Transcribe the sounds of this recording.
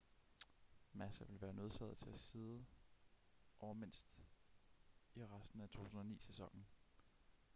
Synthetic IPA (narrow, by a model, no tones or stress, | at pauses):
mæsæʋe̝lʋæːɐnøðˠsæð̩ˠt͡sʰe̝æsiːðˠə | ʔɒʊmen̰sd̥ | iʁasd̥n̩æt͡sʰo̝̰ːt͡sʰusn̩ɒnḭːsesɒ̽ŋ̰n̩